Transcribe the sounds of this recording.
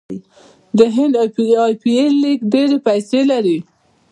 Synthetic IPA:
d̪əɦɪnd̪pɑjpielːikɖeɾepajselaɾi

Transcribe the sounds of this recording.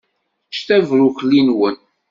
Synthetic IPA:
ʃt̪ævɾʊçlinwən

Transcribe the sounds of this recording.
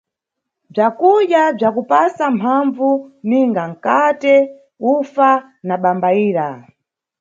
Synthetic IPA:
b͡ʐakuɗjab͡ʐakupasampʰaɱvuniŋɡaŋ̩katɛ | ufa | naɓambaiːɾa

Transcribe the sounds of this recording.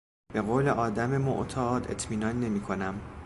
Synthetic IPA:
be̞ɣoːle̞ʔɒːd̪æme̞mo̰ʔt̪ʰɒːd̪e̞̰t̪ʰmiːnɒːnːe̞miːkʰo̞næm

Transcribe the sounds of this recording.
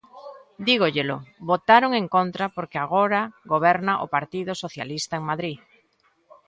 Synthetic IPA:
d̪iɣoʎeloβot̪aɾoŋẽŋkont̪ɾapoɾkeaɣoɾaɣoβ̞ɛɾnaʔo̰paɾt̪iðosoθja̰list̪aeŋmaðɾi

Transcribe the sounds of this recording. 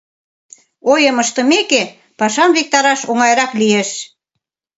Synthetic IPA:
ojəməʃt̪ə̆meke | pɑʃɑmβek̚t̪ɑɾɑʃoŋɑjɾɑklijeʃ

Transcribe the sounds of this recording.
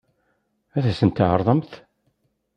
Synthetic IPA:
æθæsənt̪ːʕəɾˤðˤəmθ

